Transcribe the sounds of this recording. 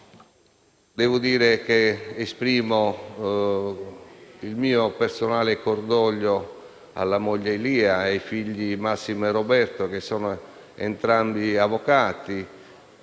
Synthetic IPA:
d̪ɛːvʊd̪iːɾek̟eːspɾiːmo | ilmiːopersonaːlekord̪ɔʎːo | a̰lːamɔʎːeiliːaejfiʎːimasːimrobɛrt̪okesːɔːno | ḛnt̪ɾambiavokaːt̪i

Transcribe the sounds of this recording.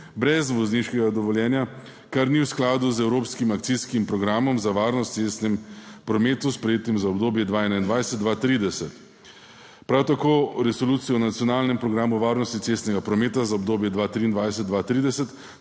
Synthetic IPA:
bɾɛzʋɔzniʃkɛɡad̪ɔʋɔljɛːnja | kaɾniwsklaːd̪uzɛwɾoːpskimakt̪siskimpɾɔɡɾaːmɔmzaʋaːɾnɔst̪sest̪nɛmpɾɔmeːt̪uspɾɛjeːt̪imzaɔbd̪oːbjɛd̪ʋaɛnaind̪ʋajsɛt̪̚d̪ʋat̪ɾid̪ɛsɛt̪ | pɾawt̪akoːɾɛsoluːt̪sijɔnat̪sijɔnaːlnɛmpɾɔɡɾaːmuʋaːɾnɔst̪it̪sest̪nɛɡapɾɔmeːt̪azaɔbd̪oːbjɛd̪ʋaːt̪ɾiːnd̪ʋajsɛt̪̚ːʋat̪ɾiːd̪ɛsɛt̪

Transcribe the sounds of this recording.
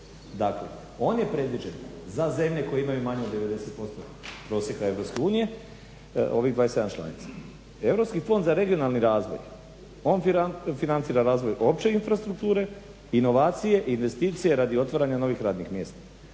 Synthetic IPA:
d̪aklḛ | o̞ːnje̞pɾe̞d̪ʋid͡ʒe̞nzaze̞mʎe̞ko̞jeimajumaɲeod̪ːe̞ʋe̞d̪e̞se̞t̪̚po̞st̪o̞ | pɾo̞ːsje̞kae̞vʋɾopske̞uːnije̞ | o̞̰ʋid̪ʋaːjesed̪ant͡ʃlˠa̰nḭt̪sḁ | e̞ʋɾo̞pskifo̞nd̪zaɾe̞ɡio̞nalˠniɾaːzʋo̰j | o̞ːnfinant̪siːɾaɾaːzʋo̞jʔo̞pt͡ʃe̞infɾast̪ɾuk̚t̪uːɾe̞ | ino̞ʋaːt̪sije̞ʔinʋe̞st̪iːt̪sije̞ɾad̪io̞t̪ʋaɾaɲano̞ʋixɾaːd̪nixmje̞ːst̪ḁ

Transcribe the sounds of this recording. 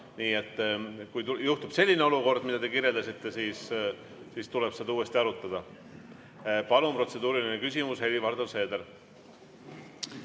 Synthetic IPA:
niːe̞t̪ˑːkujt̪ujuht̪ub̥se̞lʲːineoluko̞rd̪̥mid̪̥ɑt̪e̞kiɾje̞ld̪ɑsit̪ːe̞siːs | siːst̪ule̞b̥sed̪uːe̞st̪iɑɾut̪ːˑɑd̪̥ɑ | pɑlumpro̞t̪se̞d̪uːɾilinekysʲimushe̞livɑrd̪̥ose̞ːd̪eɾ

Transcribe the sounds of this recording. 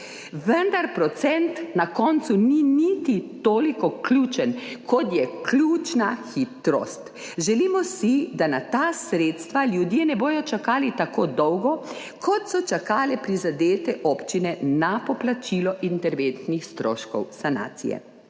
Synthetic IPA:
ʋənd̪aɾpɾɔt̪sɛnt̪nakɔnt̪suninit̪it̪oːlikɔklʲuːt͡ʃənkʰɔt̪jɛklʲjuːt͡ʃnaxit̪ɾɔ̰st̪ | ʒɛliːmɔsid̪anat̪aːsɾeːt̪st̪ʋaljud̪jenɛboːjɔt͡ʃakaːlit̪akoːd̪ɔwɡɔ | kʰɔt̪sɔt͡ʃakaːlɛpɾizad̪eːt̪ɛʔɔpt͡ʃinɛnapɔplat͡ʃilɔʔint̪ɛɾʋent̪nixst̪ɾoːʃkɔ̰wsana̰ːt̪sḭjɛ̰

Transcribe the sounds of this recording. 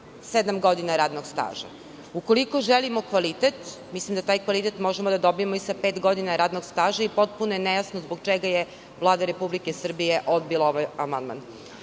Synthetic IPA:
sed̪amɡo̞d̪inaɾaːd̪noɡst̪a̰ːʒa̰ | uko̞liko̞ʒelimokʋalit̪et̪mislimd̪at̪aːjkʋalit̪et̪mo̞ʒemod̪ad̪obijemoisapeːt̪ɡo̞d̪inaɾaːd̪noɡst̪aːʒaipo̞t̪̚punojenejasnozboɡt͡ʃeɡaje | ʋlˠaːd̪aɾe̞publikesr̩bijeʔod̪̚bilaoʋajamand̪̚ma̰n

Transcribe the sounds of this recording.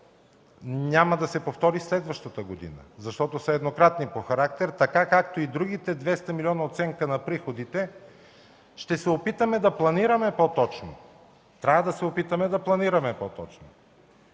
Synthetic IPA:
nʲaməd̪ɐsɛpoft̪ɔɾislɛd̪vəʃt̪ət̪əɡod̪ḭnə̰zɐʃt̪ɔt̪osɐɛd̪nokɾat̪nipoxɐɾakt̪ɛɾt̪ɐkakakt̪oid̪ɾuɡit̪ɛd̪vɛst̪əmiliɔnɐot̪sɛŋkənɐpɾixod̪it̪ɛ | ʃt̪ɛsɛopit̪əmɛd̪ɐplˠɐniɾɐmɛpot̪ɔt͡ʃno̰ | t̪ɾʲavəd̪ɐsɛopit̪əmɛd̪ɐplˠɐniɾɐmɛpot̪ɔt͡ʃno

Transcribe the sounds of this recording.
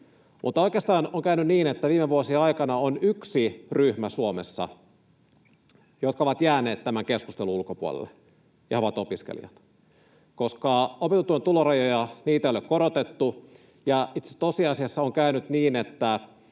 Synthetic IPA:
mʔṵt̪ːɑoikˑeːst̪ɑːnoŋkæynynniːnet̪ːæʋiːmeʋuosieɑikɑnɑonyksiryhmæsuomesːɑ̰ | jot̪̚kɑoʋɑt̪jæːne̞ːt̪t̪ːæmæŋkeskust̪eluulkopuo̰lḛlːe | jɑ̰oʋɑt̪opiskḛlḭjɑt̪ | koskɑopet̪ut̪ːuent̪ulorɑjojɑniːt̪æejolekoɾot̪et̪ːu | jɑit̪set̪osiɑsiɑsːɑoŋkæynyt̪niːnet̪ːæ

